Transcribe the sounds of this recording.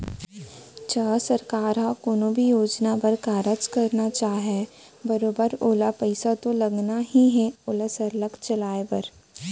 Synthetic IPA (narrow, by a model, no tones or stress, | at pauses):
t͡ʃaːsɐɾkaːɾɦakoːnobʱijoːd͡ʒnapɐɾkaːɾət͡ʃkɐɾnat͡ʃaːɦe | bɐɾoːbəɾoːlapəɪsat̪olɐɡnaɦiɦɛ̃oːlasɐɾləkt͡ʃɐlaːepɐɾ